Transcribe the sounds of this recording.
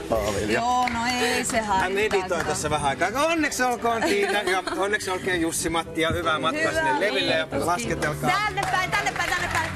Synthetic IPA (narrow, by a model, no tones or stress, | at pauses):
ɑ̰ʋḭljɑnoesehæmedit̪oˑint̪æsːæʋæɦæɑkɑːkɑonːeksolkoːnsiːt̪ækɑonːeksolkeːjusːimɑt̪ːiɑhyʋæmɑt̪kɑsinːelleʋilːejɑlɑsket̪elkɑːænːepːæit̪ænːepːæit̪ænːepːæi